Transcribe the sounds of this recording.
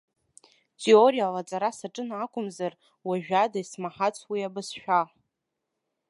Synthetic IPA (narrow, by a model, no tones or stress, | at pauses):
tʼeorijalat͡sʼaɾasaʈ͡ʂʼɨnakʷʼʊmzar | waʒᶣadasmaħat͡sʷʰwiabɨsʃᶣa